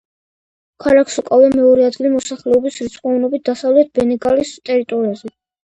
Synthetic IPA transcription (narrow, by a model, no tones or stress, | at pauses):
kʰalakʰsɔkʼalˠamɛɔɾɛad̪ɡilimɔsaχlɛɔbisɾit̪sʼqʼɔvnɔbit̪̚d̪asavlɛt̪̚bɛnɛɡʼalist̪ʼɛɾit̪ʼɔɾiazɛ